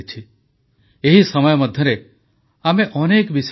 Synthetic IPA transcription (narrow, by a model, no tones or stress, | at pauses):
t͡ʃʰi | eɦisɔmɔjɔmɔd̪ʱjɔɾe | ameʔɔnekbis